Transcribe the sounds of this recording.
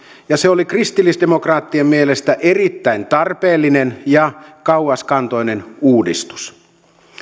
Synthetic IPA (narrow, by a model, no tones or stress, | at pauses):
jɑseolikrist̪ilːisdemokrɑːt̪ːiemːielest̪æʔerit̪ːæint̪ɑrpeːlːinenjɑkɑuɑskɑnt̪o̞inenuːdḭst̪u̥s